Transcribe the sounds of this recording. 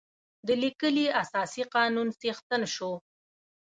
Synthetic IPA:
d̪əlikəliasɑsiqɑnunsext̪ənʃo

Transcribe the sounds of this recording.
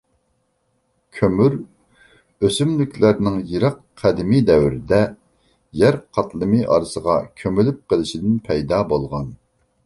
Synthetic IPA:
kʲʰømyɾ | øsymlykʲʰlæɾnɪŋjiɾɑqʰːæd̪ɪmid̪ɛwɾɪd̪ɛ | jæɾqʰɑt̪lˠɨmɨʔɑ̰ɾɨsəʁɑkʲʰømylyp̚qəlˠɨʃid̪ɪnpʰɛjd̪ɑːbolˠʁɑn

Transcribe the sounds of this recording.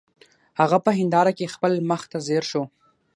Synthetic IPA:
haɣapəɦɪnd̪ɑɾakexpəlməxt̪azeɾʃo

